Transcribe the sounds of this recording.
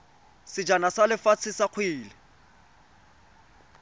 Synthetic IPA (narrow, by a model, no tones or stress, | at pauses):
sɪd͡ʒanasalɪfat͡sʰɪsaq͡χʰwiːlɪ